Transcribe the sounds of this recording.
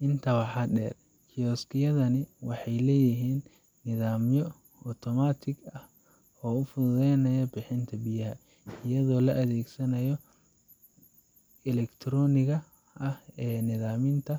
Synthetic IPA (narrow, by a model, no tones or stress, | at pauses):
ʔɪnt̪ʰɐwɑħɑːɖɛːr | kʰɪjɔːskʰɪjɐðɐnɪwɑħɑjlɛːjɪɦiːnː | ɪðaːmjɔ | ɔt̪ʰɔmaːt̪ʰɪɡɐh | ɔːʊfʊðʊðɛjnɐjɔbɪħɪnt̪ʰɐbɪjɐɦɐ | ɪjɐðɔːlɐʔɐðɛːɡsɐnɐjɔ | ɛlɛkt̪ʰɾɔːnɪɣɐ | ʔɐhɛːnɪðaːmɪnt̪ʰɐ